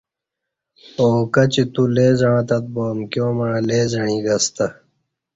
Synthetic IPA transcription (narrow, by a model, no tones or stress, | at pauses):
oːkɐt͡ɕit̪uleːzãːt̪ɐt̪̚boːmkjõːmɐɻãleːzɐɳ̃ĩɡɐst̪ɐ